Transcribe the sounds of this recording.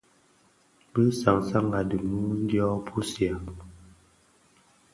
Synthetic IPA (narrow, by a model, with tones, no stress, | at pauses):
bə˦sa˨ŋsa˦ŋa˨də˨mu˦n˦djɔ˦pʰu˦sja˨